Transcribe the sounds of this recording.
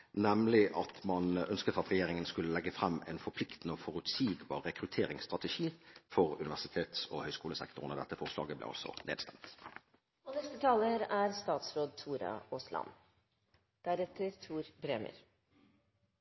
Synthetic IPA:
nɛmlɪʔɑt̪mɑnœnskət̪ɑt̪ʁɛjeːɾɪŋənskʉlːəlɛɡːəfʁɛmːɛ̰ːnfɔpʰlɪkt̪n̩əoːfɔʁʉt̪siːɡbɑ̰ːʁːɛkʁʉt̪ʰeːʁɪŋst̪ʁɑt̪əʃiːfɔʁʉnɪʋæsɪt̪ʰeːt̪sohœʏskuːləsɛ̰kt̪ʊʁnəd̪ɛt̪ːəfɔʁslɑ̰ːɡəblɛ̰ːɑ̰lsɔ̰nḛːd̪st̪ɛmt̪ | ɔnɛst̪ət̪ʰɑːləɾæɾst̪ɑːt̪sɾoːd̪̚t̪ʰuːɾɑ̰oslɑ̰n | d̪̥æɾɛt̪əɾt̪ʰuːɾbɾɛmə̰ɾ

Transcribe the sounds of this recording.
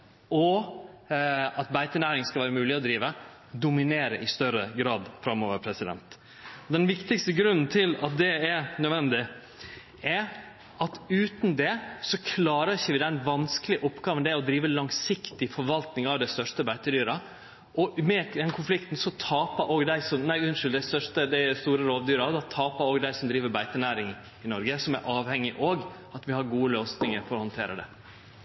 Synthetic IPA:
ɔ | ɑt̪̚bæɪt̪ənæːɾɪŋskɑlʋæːɾəmʉːlɪɔd̪ɾiːʋə | d̪ʊmɪneːɾə̰ʔɪst̪œɾəɡɾɑːd̪fɾɑmːoːʋəɾpʰɾɛsɪd̪ɛ̰nt̪ | ɔd̪ɛnʋɪkt̪ɪkst̪əɡɾʉnːn̩t̪ʰɪlɑ̰t̪̚d̪ɛɛɾnœʋɛnd̪ɪ | ɛ | ɑt̪ʉːt̪n̩d̪ɛsɔkʰlɑːɾəçəʋɪd̪ɛnʋɑnskəlɪʔɔpːɡɑːʋənd̪ɛɔd̪ɾiːʋəlɑŋsɪkt̪ɪfɔɾʋɑlt̪nɪŋɑʋd̪æɪst̪œʂʈəbæɪt̪əd̪yːɾɑ | ʔɔmɛd̪ɛnkʰʊnflɪkt̪n̩sɔt̪ʰɑːpəɾʔoːɡd̪æɪsɔmnæɪʉnʂɪld̪æɪst̪œʂtəd̪ɛst̪uːɾəɾoːʋd̪yːɾɑd̪ɑt̪ʰɑːpəɾoːɡd̪æɪsɔmd̪ɾiːʋəɾbæɪt̪ənæːɾɪŋ | ɪnɔɾɡəsɔmæ̰ɾʔɑːʋhɛŋːɪʔoːɡ | ɑt̪ʋɪhɑɾɡuːəløːsnɪŋəɾfɔɾɔhɔnt̪ʰḛːɾəd̪ɛ̰

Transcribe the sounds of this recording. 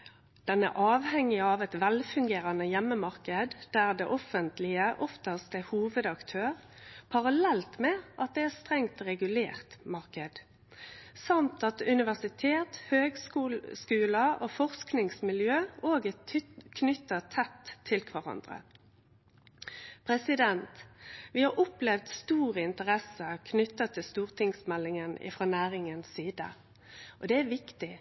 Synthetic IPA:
d̪̥ɛnæ̰ʔɑːʋhɛŋːɪɑːʋɛt̪ʋɛlfʉŋɡeːʁɑnəjɛmːəmɑʁkəd̪d̪̥æːʁd̪ɛ̰ʔɔfənt̪lɪəʔɔft̪əst̪ɛhuːʋəd̪ɑkt̪ʰøːʁpʰɑʁɑlɛlt̪mɛʔɑt̪̚d̪ɛæːʁst̪ʁɛŋt̪ʁɛɡʉlḛːʁt̪mɑʁkəd̪̥ | sɑmt̪ɑt̪ʉnɪʋæʁsɪt̪ʰeːt̪høːɡsuskʉːləʔofɔʁsknɪŋsmɪljøːoːɡəkʰnʏt̪ːət̪ʰːɛt̪ʰːɪlkʰʋæʁɑ̰nd̪ʁə̰ | pʰʁɛsɪd̪ɛnt̪ʋɪhɑɾɔplɛʋd̪st̪uːʁəɪnt̪əʁɛsəkʰnʏt̪ːət̪ʰɪlst̪uːʁt̪ʰɪŋsmɛlːɪŋənɪ̰fʁoːnæːʁɪŋənsiːd̪ə̰ | ʔɔd̪ɛæʋɪkt̪ɪ

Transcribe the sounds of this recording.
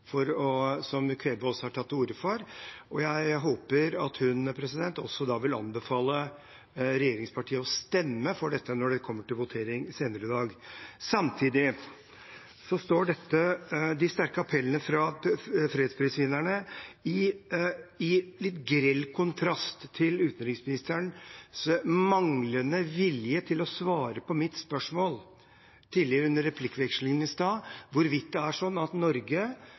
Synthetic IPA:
fɔɾɔsɔmkʰɾeːʋəɔsːɔhɑʈʰɑt̪ːuːɾəfɔɾʔɔjæɪɦoːpəɾɑt̪hʉnpʰɾɛsɪd̪ɛnt̪ɔ̰sːɔd̪ɑːʋɪlɑ̰nbəfɑːlə | ɾɛjeːɾɪŋspɑʈʰiːəɔst̪ɛmːəfɔɖɛt̪ːənɔɖɛkʰɔmːəʈɪlʋʊt̪ʰeːɾɪŋseːnəɾəɪd̪ɑːɡsɑmt̪ʰiːd̪ɪ | sɔst̪oːɖɛt̪ːəd̪ɪst̪æɾkəɑpʰɛlənəfɾɑfɾeːd̪spʰɾɪːsʋɪnːæɳəɪ | ɪlɪt̪ɡɾɛlːkʰʊnt̪ʰɾɑst̪ʰːɪlʉːt̪n̩ɾɪŋsmɪnɪst̪əɳsmɑŋlənəʋɪljət̪ʰɪlɔsʋɑːɾəpʰɔmɪt̪spœʂmoːl | t̪ʰiːd̪lɪəɾʉnːəɾːɛpʰlɪkːʋɛkʂlɪŋənɪst̪ɑːʋʊɾʋɪt̪̚d̪ɛæʂɔnːɑt̪nɔɾɡə

